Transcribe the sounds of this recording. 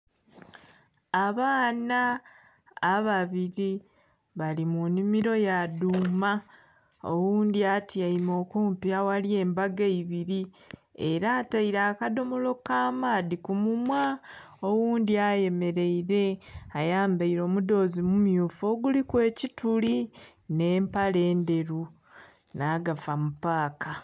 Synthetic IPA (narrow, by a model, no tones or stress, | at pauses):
aβaːnaː | βaβiɾi | βalimunimiɾo̞jaduma | o̰wuːnd̪iatʰiaimo̞ːkuːmpiawalie̞ːmbaɡeiβiɾi | eɾataiɾaːkado̞molo̞kaːmaːdikumumwaowuːndiaje̞me̞ɾe̞iɾe̞ajaːmbaiɾo̞ːmudo̞ːzimumjuːfo̞ːɡulikwe̞ːcituli | ne̞ːmpale̞ːnde̞ɾu | naːɡafamupaːka